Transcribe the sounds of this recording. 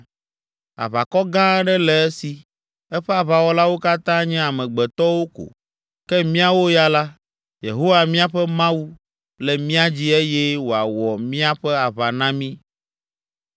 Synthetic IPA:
a̰˨βa̰˨kɔ˦ɡã˦ɖɛ˦lɛ˨ɛ˦si˨ | ɛ˦ɸɛ˦a˨βa˨wɔ˨˦la˦wo˦ka˦t̪ã˦ɲɛ̃˦a˨mɛ̃˨ɡ͡bɛ˨t̪ɔ˦wo˦ko̰˨ | kɛ˦mĩ˦a˦wo˦ja˦la˦ | jḛ˨ɦo˦wa˨mĩ˦a˦ɸɛ˦mã˦u˦ | lɛ˨mĩ˦a˦d͡ʑi˦ɛ˦jɛ˦wo˨a˨wɔ˨mĩ˦a˦ɸɛ˦a˨βa˨nã˦mĩ˦

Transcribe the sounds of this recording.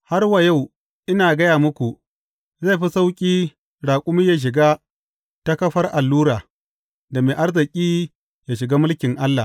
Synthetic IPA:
ha˦rwa˨ja˦˨w | ʔɪ˦naː˨ɡɐ˦jaː˨mʊ˦kʷu˨ | za˦˨jɸi˦sa˦wkʲʼiː˦ | ɽaː˨kʷʼʊ˦mi˦jaː˦ʃ̬ɪ˨ɡa˦ | ta˦kɐ˦ɸɐ˦rʔa˨lːuː˦ɾaː˨ | da˨meː˨ʔa˦rzɐ˨kʲʼiː˦ | ja˨ʃɪ˨ɡaː˦mʊ˦lkʲɪ˨ŋʔa˦lːa˨

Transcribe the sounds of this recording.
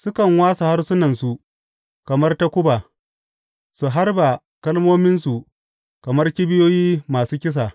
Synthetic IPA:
sʊ˦kɐ˨ŋwaː˦sa˨ha˦rsʊ˦nɐ˨nsu˨ | kɐ˨mɐ˦rta˦kʷʊ˦ba˨ | su˨ɦa˦rba˨ | kɐ˦lmoː˦mɪ˦nsu˨ | kɐ˨mɐ˦rkʲi˦bɪ˦joː˦jiː˦maː˨suː˦kʲɪ˦s̬a˨

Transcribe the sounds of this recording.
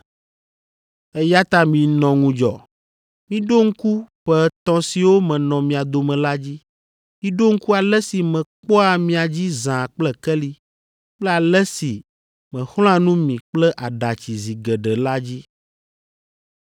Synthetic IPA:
ɛ˦ja˦t̪a˦mĩ˨nɔ̃˨ŋũ˨d͡ʒɔ˨ | mĩ˦ɖo˦ŋ̩˦ku˦ɸɛ˦t̪ɔ̃˦si˨wo˦mɛ̃˨nɔ̃˨mĩ˨a˨d̪o˨mɛ̃˨la˦d͡ʑi˦ | mĩ˦ɖo˦ŋ̩˦ku˦a˨lɛ˦si˨mɛ̃˨k͡pɔ˦a˨mĩ˨a˨d͡ʑi˦zã˨k͡plɛ˨kɛ˦li˦ | k͡plɛ˦a˨lɛ˦si˨ | mɛ̃˨xl̃ɔ̃˦a˦nũ˦mĩ˨k͡plɛ˦ʔa˨ɖa˨t͡ɕi˨zi˨ɡɛ˨ɖɛ˨la˦d͡ʑi˦

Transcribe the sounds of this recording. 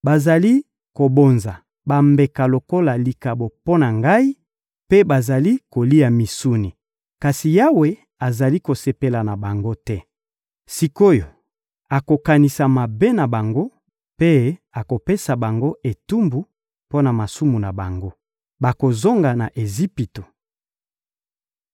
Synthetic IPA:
ba˨za˨li˦ | ko˨bo˨nza˨ | ba˨mbe˨ka˨lo˨ko˦la˨li˨ka˨bo˨po˦na˨ŋɡa˦i˦ | pe˦ba˨za˨li˦ko˨li˦a˨mi˨su˦ni˨ | ka˨si˨ja˦we˨ | a˨za˨li˦ko˨se˨pe˨la˨na˨ba˨ŋɡo˦tɛ˦ | si˨ko˦jo˨ | a˨ko˨ka˨ni˨sa˨ma˨be˦na˨ba˨ŋɡo˦ | pe˦a˨ko˨pe˦sa˨ba˨ŋɡo˦ʔe˨tu˦mbu˨ | po˦na˨ma˨su˦mu˨na˨ba˨ŋɡo˦ | ba˨ko˨zo˦ŋɡa˨na˨ʔe˨zi˦pi˨to˨

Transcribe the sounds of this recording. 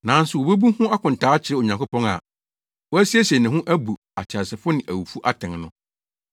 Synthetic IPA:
nã˨˦n̩˦sʊ˨wo˨be˦bu˦hʊ̃˦a˦kʰʊ̃˨n̩˨tʰaː˨˦t͡ɕʰɪ˨ɾɪ˦ɔ˨ɲã˨ŋkʊ˦pɔ̃˦ŋa̰˨ | wɔ˦æ˦si˦æ˦sɛ˨nɪ̃˨ɦʊ̃˦ʔæ˦bu˨ | a˨t͡ɕʰa˨sɪ˨fʊ˦nɪ̃˨ʔæ˨wu˨fu˦ʔa˦tʰɛ̃˨ŋnʊ̃˦

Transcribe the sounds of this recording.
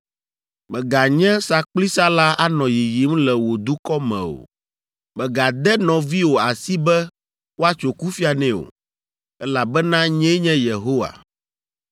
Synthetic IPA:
mɛ˨ɡa˨ɲɛ̃˦sa˦k͡pli˦sa˦la˦a˦nɔ̃˨ji˨ji˨˦m˦lɛ˨wo˨d̪u˦kɔ˦mɛ̰̃˨o̰˨ | mɛ˨ɡa˨d̪ɛ˦nɔ̃˨vi˦wo˨a˨si˦bɛ˦ | wo˦a˦t͡ʃo˨ku˦fi˦a˨nɛ̃˦˨o̰˨ | ɛ˦la˨bɛ˦nã˦ɲɛ̃˦ɲɛ̃˦je˨ɦo˦wa̰˨

